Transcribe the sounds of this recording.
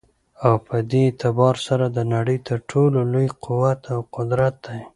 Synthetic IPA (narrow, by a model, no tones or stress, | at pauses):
awpʰəd̪et̪ɪbɑɾsaɾad̪ənaɽəjt̪əɾʈʰololojqʰʊwat̪ʰawqʊd̪ɾat̪̚d̪aj